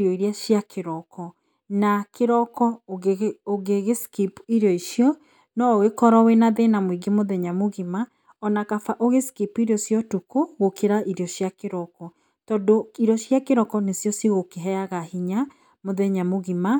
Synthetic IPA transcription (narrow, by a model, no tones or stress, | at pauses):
ɾɔiɾeaʃjakʰeɾɔkɔ | nakeɾɔkɔ | oɣeɣeskipiɾjɔiʃiɔ | nɔoɣekɔɾɔwenaðenamwiɡemoðɛɲamoɣima | ɔnakafaʔoɣeskipuiɾjɔsjɔtukoɣokʰeɾaʔiɾeɔʃjakeɾɔkɔ | tɔdoiɾɔɕjakeɾɔkɔnesjɔsjɔɣokeɦɛaɣahiɲa | moðɛɲamoɣima